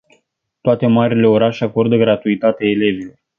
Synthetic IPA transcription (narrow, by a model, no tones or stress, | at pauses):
t̪oat̪e̞maɾile̞o̞ɾaʃeako̞rd̪əɡɾat̪uit̪at̪eaele̞vilo̞